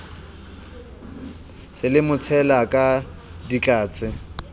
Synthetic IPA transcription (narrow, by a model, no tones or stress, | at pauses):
sɪlɪmʊt͡sʰɛlakʼa | dit͡ɬʼaːt͡sʼɪ